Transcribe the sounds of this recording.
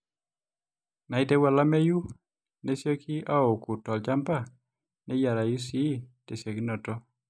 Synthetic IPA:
na˨i˦tɛ˦wa˨la˦me˦ju˦ | ne˦sjo˦kʰi˦a˦o˨ku˨tɔ˨lt͡ʃa˦mpa˦˨ | nɛ˦ja˨ɾa˨ju˦si˦te˨sjo˨ki˦nɔ˨tɔ˦

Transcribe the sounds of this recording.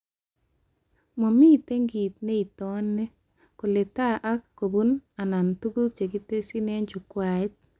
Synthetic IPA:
mo˨mi˦˨te˦ŋɡi˨t̪̚ne˦i˨tɔ˦nːe˦ | ko˨le˨ta˦ʔa˦kːo˨bu˦na˨na˨ntu˦ɡu˦k̚t͡ʃe˨ɡi˦te˦si˦ne˦ɲd͡ʒu˨kwa˨ɪ˦t̪̚

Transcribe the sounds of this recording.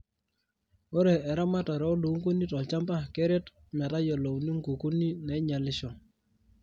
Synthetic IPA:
o˦ɾɛ˨ɛ˨ɾa˦ma˦tɔ˨ɾɛ˨ɔ˦lu˨˦ŋko˦ni˦tɔ˨t͡ʃa˦mpa˦kɛ˦ɾe˦t | ma˨ta˦jɔ˨lo˨wni˦ŋɡo˨ku˦ni˦nɛ˨˦ɲa˨lɪ˦ʃɔ˨

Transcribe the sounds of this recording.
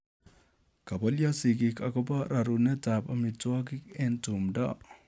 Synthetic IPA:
ka˨bɔ˦ljɔ˦si˨ki˨ka˨kɔ˦pa˦ɾa˨ɾu˨nɛ˦ta˨pa˨mi˨twɔ˦k̬i˦ke˦ntu˨mdɔ̰˦

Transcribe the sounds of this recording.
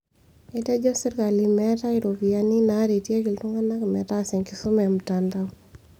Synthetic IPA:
e˦tɛ˦d͡ʒɔ˦si˦ɾka˨limɛ˦ta˦i˨ɾo˨bi˨a˦ni˦na˦ɾe˨tje˦ki˨ltu˦ŋa˦na˦kmɛ˨ta˦sɛ˨ŋki˨su˦mɛ˨m̩˨ta˨nda˦w

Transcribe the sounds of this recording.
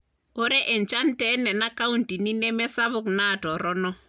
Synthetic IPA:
o˦ɾɛ˦ʔɛ˨nt͡ʃa˦ntɛ˦nɛ˨na˦ka˦unti˨ni˦nɛ˦mɛ˦sa˦βʊ˦kna˦˨tɔ˨ɾɔ˦nɔ˦

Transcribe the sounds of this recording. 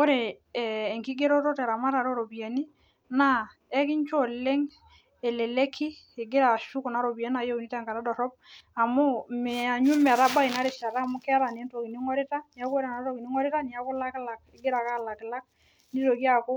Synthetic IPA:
ko˦ɾe˨ | ɛː˨ŋki˦ɡe˦ɾɔ˦tɔ˦tɛ˨ɾa˨ma˦ɾa˨ɾo˦ɾo˨bi˨a˨ni˦ | na˦ | ɛ˦kɪ˦ɲt͡ʃɔ˦˨le˦ŋ | ɛ˨lɛ˨le˦kʰːi˦ | e˨ɡɪ˦ɾa˨ʃu˦ku˨na˨˦ɾo˨bi˨a˦na˨je˦u˨ni˦ta˦˨ŋka˨ɾa˦dɔ˨ɾɔ˦p̚a˨mʊ˦mɛ˨a˨ɲu˦m˨ɾa˦ba˦i˨na˦ɾɪ˨ʃa˨ɾa˦˨mʊ˦kːɾa˨n˨ɛ˦ntɔ˨ki˨ni˦ŋɔ˦ɾɪ˦ta˦ni˨a˦ku˦ɾa˨na˦tɔ˦ki˨ni˦ŋɔ˦ɾɪ˦ta˦ni˨a˦kɔ˦la˦kɪ˦la˨k̚ɪ˨ɡɪ˦ɾa˨ka˦˨la˨kɪ˨la˦k̚ | ni˦ɾo˨ki˦a˨ko˦

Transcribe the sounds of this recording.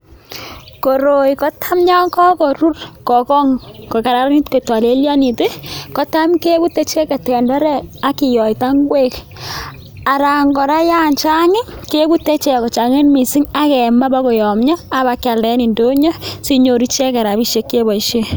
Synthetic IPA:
ko˨ɾo˨jkɔ˦tʰa˦mɲa˦kɔ˦kɔ˨ɾu˦rkɔ˨kɔ˦ŋko˨ka˨ɾa˨˦ɾni˦tko˨ta˨le˦lja˦ni˨te˦kɔ˦ta˦mke˦bu˦tːe˦t͡ʃɛ˦ka˨tkɛ˨nda˦ɾɛ˦a˦ki˨jɔ˨ita˦ŋɡwe˦k | a˨ɾa˨ŋɡɔ˨ɾa˦ja˦nt͡ʃa˦ŋɪ˦ke˦bu˦tːe˦t͡ʃɛ˦˨kɔ˨t͡ʃa˨ŋe˦nmi˨si˦ŋa˦kɛ˨ma˦ba˦kɔ˨jɔ˨mɲa˦a˦ba˨˦kja˨ldɛ˦ni˨ndo˦ɲɔ˦si˦ɲo˨ɾi˦t͡ʃe˦kɛ˨ɾa˨bi˦ʃe˦kːe˦bɔ˨iʃe˦

